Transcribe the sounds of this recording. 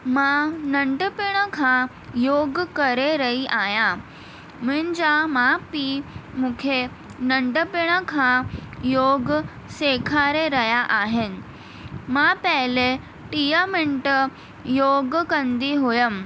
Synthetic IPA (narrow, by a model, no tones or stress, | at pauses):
mãnɐ̃ɳɖəpɪɽ̃əkʰã | joːɡkɐɾeɾɐɦiʔaːjã | mʊ̃ɦɪ̃nɪd͡ʑamãpiːmũːkʰe | nɐ̃ɳɖəpɪɽ̃əkʰãjoːɡ | seːkʰaːɾeɾɐɦjaʔaːɦɪnɪ̆ | mãpɐɦɪle | ʈiːjəmɪ̃ɳʈə | joːɡkɐ̃nd̪iɦʊjəm